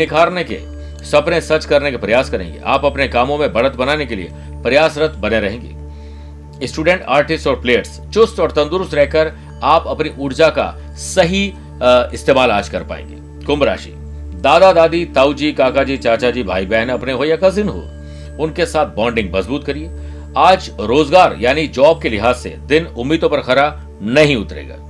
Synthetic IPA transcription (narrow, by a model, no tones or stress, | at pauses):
nɪkʰaːɾnekḛ | sɐpnẽsɐt͡ʃkɐɾnekepɾɐjaːskɐɾḛ̃ːŋɡḛʔa̰ːpɐpnekaːmõmẽbɐɽət̪bɐnaːnekelḭḛ | pɾɐjaːsɾɐt̪ʰbɐneɾɐɦẽːŋɡḛː | sʈuːɖẽːɳʈaːɾʈɪsʈɔːɾpleːjəɾs | t͡ʃʊsʈɔːɾt̪ɐ̃nd̪ʊɾʊst̪ɾɛɦkəɾ | aːpɐpniʔʊɽd͡ʒaka̰ | sɐɦi | ɪst̪eːmaːlaːd͡ʒkɐɾpa̰ːḛ̃ːŋɡḛː | kʊ̃mbɾa̰ːʃḭː | d̪aːd̪ad̪aːd̪it̪aːud͡ʒiːkaːkad͡ʒiːt͡ʃaːt͡ʃad͡ʒiːbʱa̰ːibɛɦnɐpneɦojakɐzɪnɦo̰ː | ʊnkesaːt̪̚ʰbɔ̃ːɳɖɪ̃ŋɡmɐzbuːt̪̚kɐɾie | aːd͡ʒɾoːzɡaːɾjaːnid͡ʒɔːb̚kelɪɦaːzːḛd̪ɪnʊmːiːd̪õpɐɾxɐɾaː | nɐɦĩʊt̪ɾḛːɡa̰ː